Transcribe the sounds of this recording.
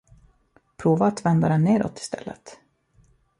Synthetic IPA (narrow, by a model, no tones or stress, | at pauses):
pʰɾuːvaːt̪vɛnd̪ad̪ɛnːeːɾɔ̰t̪ːɪ̥st̪ɛ̰lːə̰t̪